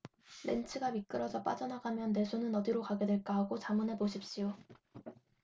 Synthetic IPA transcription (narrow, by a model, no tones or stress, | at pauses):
ɾe̞̰nt͡ɕʰɯɡamik͈ɯɾʌd͡ʑʌp͈a̰d͡ʑʌnaɡamjʌnːe̞sʰonɯnʌdiɾokaɡe̞dwe̞ɭk͈aɦaɡot͡ɕamɯnepoɕʰip̚ɕ͈ijo